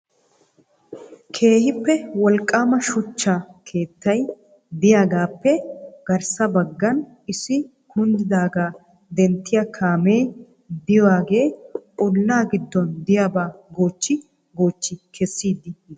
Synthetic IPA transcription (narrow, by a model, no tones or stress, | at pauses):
kʰe̞ːhɪpːɛwɔlkʼːaːmɐʃʊt͡ʃːakʰe̞ːt̪ːɐj | d̪ɪjaːɡaːpːɛɡ̥ɐɾsɐbɐɡːɐn | ɪsɪ | hʊnd̪ɪd̪aːɡaː | d̪ɛnt̪ːɪjakʰaːmeː | d̪ɪjwaːɡe̞ːɔlːaːɡɪd̪ːɔnd̪ɪjaːbaːɡoːt͡ʃːɪ | ɡo̞ːt͡ʃːɪkʰɛsːiːd̪ːɪ